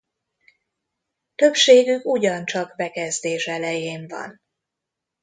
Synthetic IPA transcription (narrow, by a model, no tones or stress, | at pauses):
t̪ø̞pʃeːɡykuɟɒnt͡ʃɒɡbɛkɛzd̪eːʃɛlɛjeːɱvɒ̰n